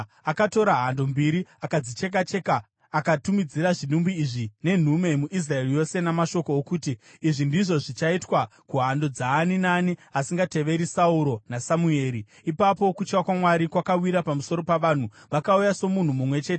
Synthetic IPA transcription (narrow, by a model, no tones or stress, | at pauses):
akato̞ɾaɦando̞mbiɾiakad͡zit͡ʃe̞k̬at͡ʃe̞kaː | katumid͡ziɾaʐiɗumbiːʐine̞n̤ume̞muʔis̬rae̞rijo̞se̞namaʃo̞koːkuːtiːʐindiʐo̞ʐit͡ʃaitwakuɦando̞d͡zaːninaniasiŋɡate̞ʋe̞ɾisauɾo̞nasamue̞ːɾiː | papo̞kut͡ʃkakwamwaɾikwakawiɾapamuso̞ɾo̞paʋaːn̤u | ʋakaujaso̞mun̤umumwe̞t͡ʃe̞ːte